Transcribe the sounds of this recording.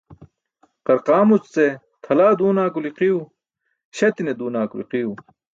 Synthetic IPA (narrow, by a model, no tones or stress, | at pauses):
qɐɾqaːmut͡st͡se | t̪ʰɐlaːd̪uːnaːkuliqiu | ɕɐt̪ined̪uːnaːkulḭqiju